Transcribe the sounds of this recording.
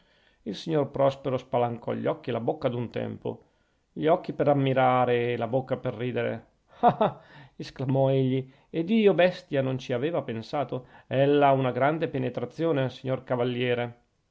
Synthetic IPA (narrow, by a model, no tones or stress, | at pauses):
ilsiɲːorpɾɔspeɾospalaŋkʰɔ̰ʎːɔkːilabokːad̪unt̪ɛ̰mpo̰ | ʎɔkːipeɾamːiɾaːɾelabokːaperːiːd̪eɾḛ | haesklamɔeʎːi | ed̪iːobɛst̪janont͡ʃiaveːvapensaːt̪oɛlːaunaɡɾand̪epenet̪ɾat̪sːjoːnesiɲːorkavalːjɛːɾe